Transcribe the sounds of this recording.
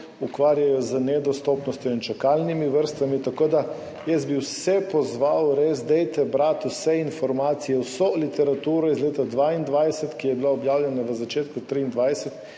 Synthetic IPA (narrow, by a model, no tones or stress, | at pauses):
ukʋaːɾjajɔzənɛd̪ɔst̪ɔːpnɔst̪jɔint͡ʃakaːlnimiʋəɾst̪ʋamit̪akoːd̪a | jɛsbiwsɛpɔzʋawɾezd̪ɛjt̪ɛbɾaːt̪usɛinfɔɾmaːt̪sijɛwsolit̪ɛɾat̪uːɾɔizleːt̪ad̪ʋaːind̪ʋajsɛt̪kijɛbilaɔbjaːwlʲɛnaʋəzat͡ʃeːt̪kut̪ɾiːnd̪ʋajsɛt̪